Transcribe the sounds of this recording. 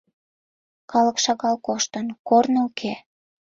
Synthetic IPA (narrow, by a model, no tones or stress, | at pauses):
kɑləkʃɑɣɑlkoʃt̪ənkornəukʰe